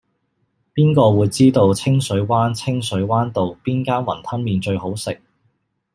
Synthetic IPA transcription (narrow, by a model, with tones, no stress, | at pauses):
piː˥nkɔː˧wuː˨˧jt͡siː˥t̪o˨˧wt͡sʰɪ˥ŋsɵ˨˥ɥwaː˥nt͡sʰɪ˥ŋsɵ˨˥ɥwaː˥nt̪o˨wpiː˥nkaː˥nwɐ̰˨˩nt̪ʰɐ˥nmiː˨nt͡ʃɵ˧ɥho˨˥wsɪ˨k̚